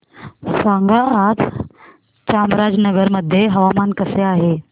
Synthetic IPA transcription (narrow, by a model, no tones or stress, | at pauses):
saŋɡəat̪ʰ | t͡ɕamɾad͡znəɡəɾməd̪ʱːjeɦəʋamankəseaɦe